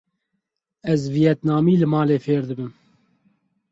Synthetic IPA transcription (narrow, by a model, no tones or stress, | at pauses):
ɛzvijɛt̪nɑːmiːlɨmɑːleːfeːɾd̪ɨbɨn